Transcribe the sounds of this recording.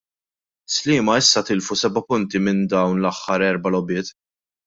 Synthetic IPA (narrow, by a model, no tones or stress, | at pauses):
slɪːmɐɪsːɐt̪ɪlfusɛbɐpʊnt̪imɪnd̪ɐwnlɐħːɐɾɛɾbɐlɔbɪːt̪